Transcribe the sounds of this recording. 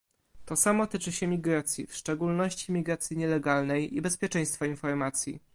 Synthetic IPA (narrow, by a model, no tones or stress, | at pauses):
t̪ɔsamɔt̪ɘt͡ʂɘɕɛmʲiɡɾat̪sʲjḭfʂt͡ʂɛɡulnɔɕt͡ɕimʲiɡɾat̪sʲjiɲɛlɛɡalnɛjibɛspʲjɛt͡ʂɛ̃j̃st̪fainfɔɾmat̪sʲjḭ